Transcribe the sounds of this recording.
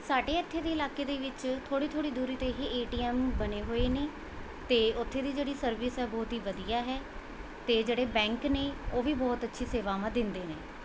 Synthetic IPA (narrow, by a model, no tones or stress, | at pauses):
saːɖeːət̪ʰːeːd̪eːɪlaːkeːd̪eːʋɪt͡ʃt̪ʰoːɽiːt̪ʰoːɽiːd̪uːɾiːt̪eːɦeːʔeːʈiːɛːmbəneːɦoːeːneː | t̪eːʊt̪ʰːeːd̪iːd͡ʒeːɽiːsəɾʋɪsɦɛːbɔːt̪ɦiːʋəd̪ijaːɦɛː | t̪eːd͡ʒeːɽeːbɛ̃ːŋkneːoːʋiːbɔːt̪ətːʃʰiːseːʋaːmãːd̪ɪnd̪eːneː